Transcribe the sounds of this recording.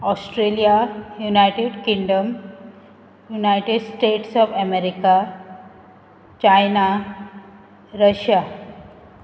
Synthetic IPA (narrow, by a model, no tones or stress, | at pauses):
ɔsʈɾelijajunajʈeɖkĩŋɖəm | junajʈeɖsʈeʈsɔfɛmeɾika | t͡ɕajna | ɾəɕja